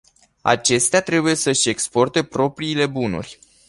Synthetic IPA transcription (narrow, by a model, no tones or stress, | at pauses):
a̰t͡ʃe̞st̪eat̪ɾe̞buje̞səʃʲe̞kspo̞rt̪e̞pɾo̞pɾiːle̞bunṵrʲ